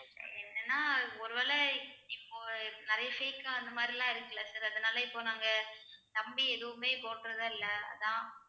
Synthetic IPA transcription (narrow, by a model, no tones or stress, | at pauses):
ɛnːɛnːaːɔɾɯʋeːlɛɪpːoːnɪɾɐjɐfeɪkãːɐnd̪ɐmaːd̪ɾɪlãːɪɾɯkːɐɭasaːɾɐðɐnaːlɐɪpːoːnaːŋɡɐ | t̪ɐmbiɛðɯʋʊmeːpoːʈɾɐðɯːɪlːɐɐ̰ðãː